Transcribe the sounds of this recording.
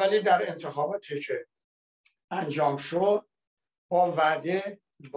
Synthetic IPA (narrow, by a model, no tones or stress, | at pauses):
æliːd̪æɾe̞nt̪ʰexɒːbɒːt̪ʰiːkʰe | ænd͡ʒɒːmʃod̪̥̚ | bɒvæʔd̪e | b